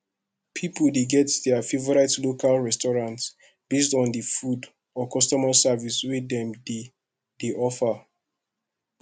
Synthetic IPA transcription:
pʰipəldeɡɛtdɛafivɔɹaɪtlokʰalɹɛstɔɹãnts | b̥estɔ̃ndifud | ɔkʰɔstɔmasaviswidɛ̃md | deʔɔfa

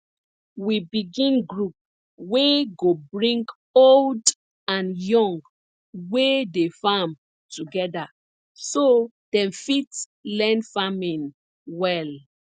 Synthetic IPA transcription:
wibiɡĩnɡɹup̚ | weɡobɹĩŋɡ | old | ãnjɔ̃ŋɡ | wedefam | tuɡɛda | so | d̥ɛ̃mfit | lɛ̃nfamĩn | wɛl

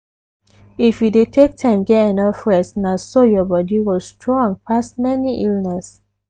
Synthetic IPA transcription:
ifjudetʰek̚tʰãɪ̃mɡɛtɛnʌfɹɛ̃snasojɔbɔdiwɔlstʰɹɔ̃ŋpʰasmɛniʔilnɛs

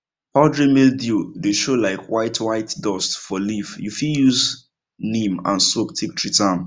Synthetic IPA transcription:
pɔldɹemeldjudeʃolaɪkwaɪtʰwaɪtdɔstfɔlifjufiljuz | nĩmã̰nsoktʰik̚tʰɹitãm

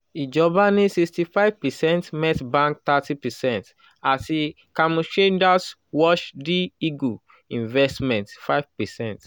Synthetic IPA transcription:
id͡ʒɔbanisikstifaɪv̥pɛsɛ̃ntmɛtbãŋk̚t̪atipɛsɛ̃nt | asi | kamut͡ʃẽnd͡ʒas | wɔʃdiiɡu | ĩnvɛstmɛ̃ntfaɪvpɛsɛ̃nt

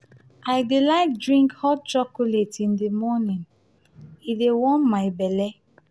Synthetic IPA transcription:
aɪdelaɪk̚dɹĩŋkhɔt͡ʃɔkuletĩndimɔnĩn | idewɔ̃nmaɪbɛlɛ

